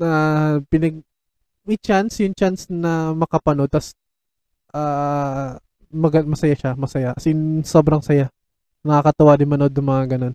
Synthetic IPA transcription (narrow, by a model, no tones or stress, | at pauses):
apɪnɐɡ̚ | mɪt͡ʃansjʊŋt͡ʃansnɐmɐkɐpɐnod̪̚t̪ɐs | ʔaː | mɐɡɐmɐsɐjaʃamɐsɐjaʔɐsɪnsobɾɐŋsɐja | nɐŋakɐt̪ʊwad̪ɪnmɐno̞d̪̚nɐŋmɐŋaɡɐno̞n